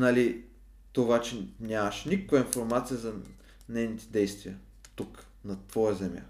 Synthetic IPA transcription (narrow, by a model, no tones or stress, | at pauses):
nɐli | t̪ovat͡ʃɛnʲamɐʃnʲikəkvəinfoɾmat̪sijəzɐ | nɛjnit̪ɛ̥d̪ɛjst̪viɐ | t̪uk | nɐt̪vɔjɐzɛmja̰